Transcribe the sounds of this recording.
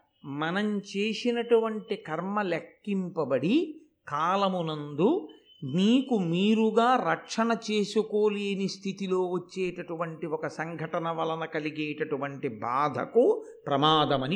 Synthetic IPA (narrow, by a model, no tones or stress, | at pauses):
mɐnɐmt͡ʃe̞ːsinɐʈuʋɐɳʈikɐɾmɐlekːimpɐbɐɽi | kaːlɐmunɐnd̪u | niːkumiːɾuɡaːɾɐkʂɐnɐt͡ʃeːsukoːleːnist̪ʰit̪iloːʋɐt͡ʃːeːʈɐʈuʋɐɳʈiɔkɐsɐŋɡʱɐʈɐnɐʋɐlɐnɐkɐliɡeːʈɐʈuʋɐɳʈibaːd̪ʱɐ̰kupɾɐmaːd̪ɐmɐni